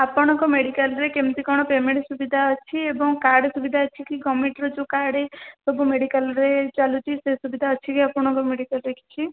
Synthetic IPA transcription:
apɔɽ̃ɔŋkɔmeɽikalɾekemt̪ikɔɽ̃ɔpemeɳʈsubid̪ʱaət͡ʃʰiebɔŋkaɾɽesubid̪ʱaət͡ʃʰikiɡɔmeɳʈɾɔd͡ʒukaɾɽesɔbumeɽikalɾet͡ʃalut̪isesubid̪ʱaət͡ʃʰikiapɔɽ̃ɔŋkɔmeɽikalɾekʰi̥t͡ʃʰi

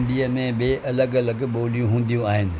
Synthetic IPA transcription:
nd̪iːəmẽbɪʔɐləɡɐləɡɓoːlijũɦũːn̆d̪ijũaːɦɪnɪ̆

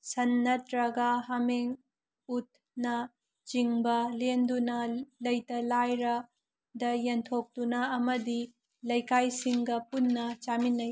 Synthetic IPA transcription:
sɐnːɐtɾɐɡɐɦɐmeŋ | ut̚ | nɐ | t͡ʃiŋbɐlendunɐlɐjtɐlajɾɐ | dɐjɐntʰop̚tunɐːmɐdi | lɐjkajsiŋɡɐpunːɐt͡ʃaminːɐj

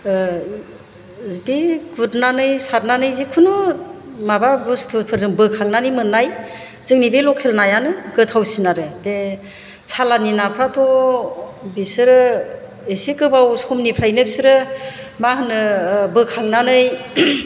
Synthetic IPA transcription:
beɡutnanɯjsaɾ̚nanɯjzikʰunumababustʰupʰɯɾzɯŋbɯkʰaŋnanɯjmɯnːaj | z̥ɯŋnibelɔkʰelnajanɯɡɯtʰawsinaɾɯbe | sʰalaninapʰɾatʰɔ | bisɯɾɯ | esekɯbawsɔmnipʰɾajnɯbisɯɾɯmaɦɯnɯbɯkʰaŋnanɯj

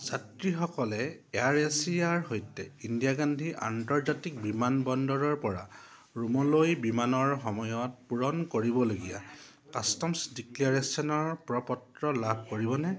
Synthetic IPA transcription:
zatɹixɔkɔlɛaɹesiaɹɦojtɛindijaɡandʱiʔa̰ntɔɹzatik̚bimanbɔndɔɹɔɹpɔɹa | ɹumɔlojbimanɔɹxɔmɔjɔt̚puɹɔnkoɹibɔloɡija̰ | kastɔmsdiklaɹesiɔnɔɹpɹɔpɔtɹɔlabʱkoɹibɔnɛ

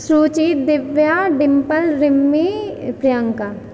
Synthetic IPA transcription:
sɾuːt͡ʃiːt̪̚d̪ɪʋjaɖɪmpəlɾɪmːipɾɪjəŋka

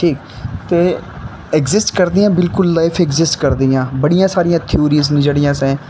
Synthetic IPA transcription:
ʈʰiːk | t̪eː | ɛkzɪsʈkəɾd̪ijãːbɪlkʊlːaːɪfʰɛkzɪsʈkəɾd̪ijãːbəɽijãːsaːɾijãːt̪ʰɪoːɾiːznɪd͡ʒəɽijãːsɛ̃ː

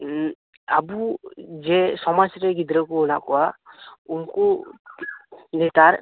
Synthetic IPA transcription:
a̰bud͡ʒɛsɔmasɾɛɡid̪ɾɔkuɔnaʔkɔwaumku | nɛt̪aɾ

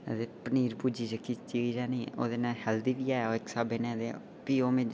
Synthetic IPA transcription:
əd̪eːpəniːɾpuːd͡ʒiːd͡ʒəkːit͡ʃid͡ʒaːnĩːo̰ːd̪eːnãːhɛld̪iːd̪iːaːoːɪksaːbeːnẽːd̪e | piːoːmẽː

